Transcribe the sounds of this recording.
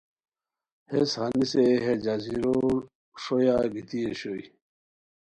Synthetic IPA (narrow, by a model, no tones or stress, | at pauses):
heshaniseɦed͡ʑaziɾoɾ | ʂojaɡit̪ieɕoi